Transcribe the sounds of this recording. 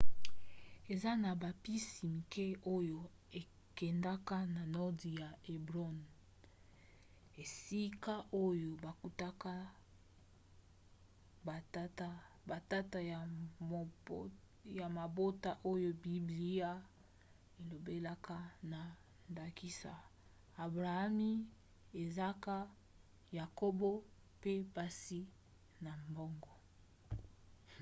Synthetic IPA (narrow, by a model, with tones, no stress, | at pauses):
e˨za˦na˨ba˨pi˦si˨mi˨ke˦o˦jo˨ | e˨ | kɛ˨nda˦ka˦na˨nɔ˦di˨ja˨e˨bʁɔ˦n | e˨si˦ka˦ʔo˦jo˨ba˨ku˦ta˦ka˦ | ba˨˦a˦ | ba˨ta˦ta˨j | ja˨ma˨bo˦ta˦ʔo˦jo˦bi˨bli˦a˦ | e˨lo˨be˦la˦ka˦na˨ | nda˨ki˦sa̰˨ | a˨bʁa˨a˦mi˦ | e˨za˦ka˦ | ja˨ko˦bo˦ | pe˦ba˦si˦ | na˨mbɔ˦ŋɡɔ˨